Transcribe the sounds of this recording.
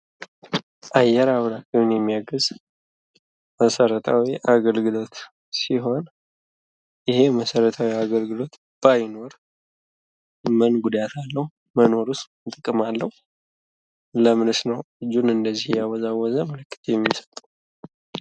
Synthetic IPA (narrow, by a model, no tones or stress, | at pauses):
ʔajːɛɾaβɾakɨwɨnjɛmːijaɡəz | məsəɾət̪ʰa̰wiʔaɡəlɡɨlo̞t̪ | siɦo̞n | jɪhe̞məsəɾət̪ʰawiaɡəlɡɨlo̞t̪ | b̥ajno̞ɾ | mənɡud̪at̪ʰalːəhu | məno̞ɾust̪ | t̪ʼɨkʼːɨmalːəhu | ləmɨnɨsnəwɨd͡ʒːunɨnd̪əzːihjawɔzawːɔzəmələkːɨ̥t̪ʰojɛmːisə̥t̪ʼə